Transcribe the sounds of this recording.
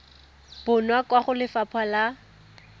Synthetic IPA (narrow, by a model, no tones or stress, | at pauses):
b̥ʊnwakwaχʊlɪfapʰwala